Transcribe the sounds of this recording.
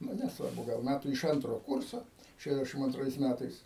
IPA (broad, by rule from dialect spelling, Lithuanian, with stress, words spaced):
ˈnʊ nʲɛsˈʋɐrbʊ ɡɐlˠ ˈmʲætuː ɪʃ ˈɐntroː ˈkʊrsoː ˌʃʲæːˈdʲæːʃʲɪm ɐnˈtrɐɪs ˈmʲætɐɪs